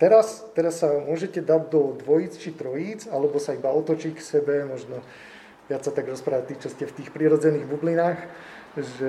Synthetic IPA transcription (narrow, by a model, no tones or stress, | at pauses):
t̪ɛɾast̪ɛɾasːamʊɔʒɛcɛd̪aɟ̪̚d̪ɔd̪ʋɔjit͡st͡ʃit̪ɾɔjid͡zalɛbɔsaibaɔt̪ɔt͡ʃiksɛbɛmɔʒnɔ | ʋɪat͡sːat̪aɡɾɔspɾaːʋat̪it͡ʃɔscɛft̪iːxpɾiːɾɔd͡zɛniːɣbublinaːx | ʒɛ